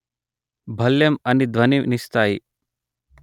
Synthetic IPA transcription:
bʱɐljɐmɐnid̪ʋɐninist̪aːji

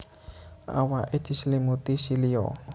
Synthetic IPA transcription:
a̰waʔid̪̥i̤slimut̪isilio̰

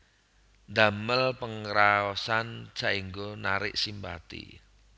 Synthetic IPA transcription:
nd̪aməlpəŋɾaɔsant͡ʃaʔiŋɡonaɾɪ̰ʔsimba̰t̪ḭ

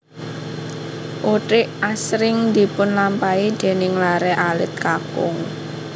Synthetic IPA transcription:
ʔuʈɪʔasɾɪŋd̪i̤pʊnlampaid̪̥e̤nɪŋlaɾɛʔalɪ̰t̪̚kakʊ̰ŋ

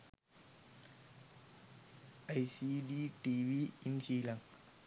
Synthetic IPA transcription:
ajsiɖiʈiʋiinsiːlãŋ

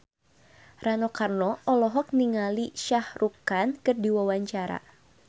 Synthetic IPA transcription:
ranɔkarnɔʔɔlɔɦɔk̚niŋaliʃahrukankɨrdiwawaɲt͡ʃaɾa̰

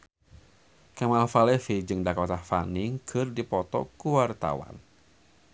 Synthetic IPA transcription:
kamalfalɛfid͡ʒɨŋdakɔt̪afanɪŋkʰɨrdipɔt̪ɔ̰kuwart̪a̰wa̰n

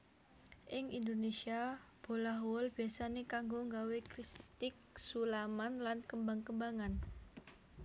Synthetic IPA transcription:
ʔɪŋḭndonesiab̥olaɦwɔlb̥iasanekaŋɡoŋɡawekɾist̪ɪk̚sulamanlankəmbaŋkəmbaŋan

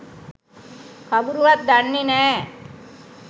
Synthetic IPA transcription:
kɐbuɾuʋat̪̚d̪aɳːinɛː

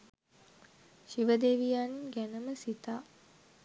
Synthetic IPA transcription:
ʃiʋəd̪eːʋijaːninɡænəməsit̪aː

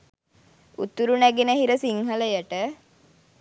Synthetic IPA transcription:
ṵt̪uɾunæɡenəɦiɾəsiŋɦələjəʈə

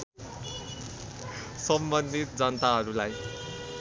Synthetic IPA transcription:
sʌmbʌnd̪ʱit̪̚d͡zʌnt̪aɦʌɾulaj

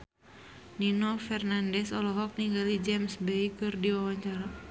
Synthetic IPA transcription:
ninofɛrnandɛsɔlɔɦɔk̚niŋɡalid͡ʒɛmsbejkɨrdiwawaɲt͡ʃaɾa

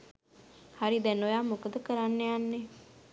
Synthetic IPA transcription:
haɾid̪ɛnojaːmukd̪əkəɾanːeanːe

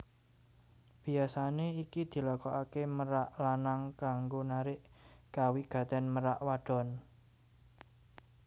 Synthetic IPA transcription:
b̥i̤asaneikid̪̥i̤lakɔʔakeməɾaʔlanaŋkaŋɡonaɾɪʔkawiɡ̥ä̤t̪ɛnməɾaʔwaɖ̥ɔ̤n

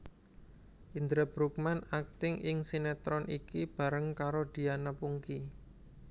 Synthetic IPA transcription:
ʔind̪ɾəbɾuk̚manak̚t̪ɪŋʔɪŋsinɛt̪ɾɔnʔikib̥a̤ɾəŋkaɾod̪̥i̤anapuŋki

